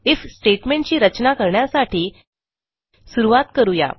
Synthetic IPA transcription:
ifsʈeʈmeɳʈ̚t͡ɕiːɾət͡ɕnakəɾɳjasaʈiː | suɾuʋat̪kəɾuja̰

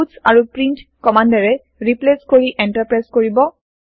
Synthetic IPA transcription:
usaɹupɹintkɔmandaɹɛ | ɹipleskoɹiʔɛnʈaɹpɹajskoɹibɔ

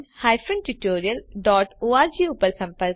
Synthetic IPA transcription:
haːjfənʈuʈoːɾiəlɖɔːʈoːaːɾd͡ʒiːupəɾsɐ̃mpəɾk

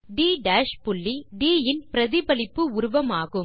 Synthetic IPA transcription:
ɖiːɖaːʃpʊɭːiɖiːjɪnpɪɾɐðɪbɐlɪpːɯʊɾʊʋɐmaːɣɯm

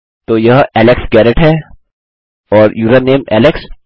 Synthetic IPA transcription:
t̪oːjɐɦɛːlɪksɡɛːɾəʈɦɛː | ɔːɾjuːɾəɾnẽːmɛ̰ːlɪks

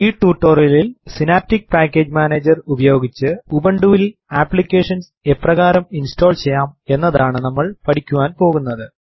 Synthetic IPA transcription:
iːʈːuːʈːoːrjɐlilsinaːp̚tik̚paːkːe̞ːd͡ʑmaːneːd͡ʑɐrubɐjo̞ːɡit͡ɕːɨubɐɳɖuːʋilaːpːɭikʲːe̞ːʂɐns | e̞pːrɐɣaːɾɐminsto̞ːlt͡ɕejːaːme̞nːɐðaːɳɨnɐmːɐɭpɐʈʰikʲːuʋaːnpo̞ːɣunːɐðɨ

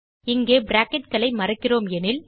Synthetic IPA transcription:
ɪŋɡeːbɾaːkɪʈ̚kɐɭɐɪmɐrɐkːɪroːmɛnɪl

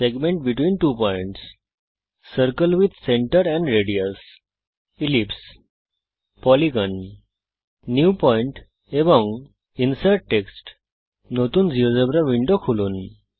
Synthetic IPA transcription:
seɡmẽɳʈ̚biʈʋiːnʈuːpɔiɳʈsː | əɾkəlʋid̪seɳʈəɾɛ̃ɳɖɾeɽiəs | ilips | pɔliɡən | jupɔiɳʈ | eʋə̃ŋɡ | insajɖ̚ʈeksʈ | not̪uːnd͡ziʋəd͡zəbɾaʋiɳɖokʰuluːn

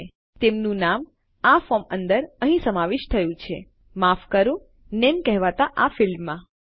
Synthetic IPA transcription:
t̪emnũnam | afɔmənd̪əɾəɦĩsəmaʋɪʃt̪ʰəjũt͡ʃʰe | mafkəɾũ | nemkɛɦʋat̪aʔafɪlmːã

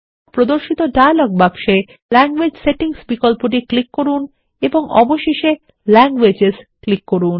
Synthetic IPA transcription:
pɾod̪oɾʃit̪oɖajalɔɡ̚bakʃe | lɛŋɡwed͡ʑseʈiŋsbikolpoʈ̬iklikːoɾun | eboŋɔ̰boʃeʃe | lɛŋɡwed͡ʑesklikːoɾun

